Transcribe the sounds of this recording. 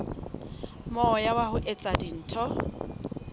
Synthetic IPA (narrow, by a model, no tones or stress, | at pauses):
mɔjawahʊʔet͡sʼadin̩ːtʰɔ